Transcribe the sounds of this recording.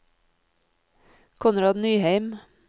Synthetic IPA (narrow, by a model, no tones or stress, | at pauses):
kʰʊnɾɑːd̪nyːhæɪm